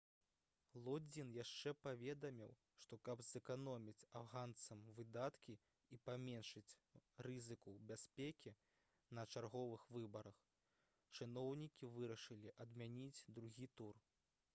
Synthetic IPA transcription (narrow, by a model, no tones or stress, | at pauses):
lˠɔd͡zʲinjaʂt͡ʂɛpavʲɛd̪ɐmʲiw | ʂt̪ɔkɐbzɨkanɔmʲit͡sʲafɣant̪sɐmvɨd̪at̪kʲi | ipamʲɛnʂɨt͡sʲrɨzɨkubʲasʲpʲekʲi | nɐt͡ʂarɣɔvɨxvɨbɐɾɐx | t͡ʂɨnɔwnʲikʲivɨɾɐʂɨlʲiʔɐd̪mʲanʲid͡zʲd̪ɾuɣʲit̪ur